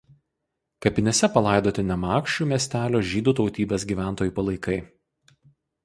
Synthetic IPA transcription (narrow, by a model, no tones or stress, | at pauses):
kɐpʲɪnʲesʲɛpɐlˠɑˑɪd̪oːt̪ʲɪnʲɛmɑːkʃʲt͡ʃʲuːmʲiɛsʲt̪ʲæːlʲoːʒʲiːd̪uːt̪ɒʊt̪ʲiːbʲeːs̬ɡʲiːʋʲæˑnt̪oːjuːˑpɐlˠɐɪkɐɪ